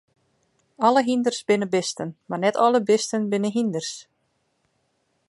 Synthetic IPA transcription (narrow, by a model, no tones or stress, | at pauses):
ɔləɦindərsbɪnəbɪstənmarnɛtʰɔlˠəbɪstənbɪnəɦindərs